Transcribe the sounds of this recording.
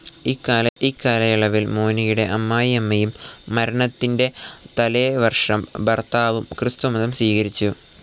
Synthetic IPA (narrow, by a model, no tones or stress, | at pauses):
ikːaːlɐikːaːlɐjiɭɐʋilmoːnijuɽe̞ʔɐmːaːjiɐmːɐjumːɐɾɐɳɐt̪ːinde̞t̪ɐleːʋɐrʂɐmbɐrt̪aːʋumkrɨst̪umɐðɐmsʋiːɣɐɾit͡ɕːu